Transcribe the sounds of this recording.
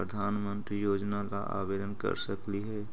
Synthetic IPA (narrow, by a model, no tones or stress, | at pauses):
pɾəd̪ʱaːnmə̃nt̪ɾijoːd͡ʒnalaʔa̰ːʋeːd̪ənkə̰ɾsəkliɦɛː